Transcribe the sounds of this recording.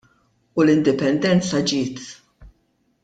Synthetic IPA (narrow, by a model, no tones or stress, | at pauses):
ulɪnd̪ɪpɛnd̪ɛnt͡sɐd͡ʒɪːt̪